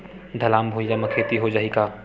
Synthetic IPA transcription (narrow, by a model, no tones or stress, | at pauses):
d̪ʱəlaːmbʱuijaməkʰeːt̪iɦod͡ʒaːɦikaː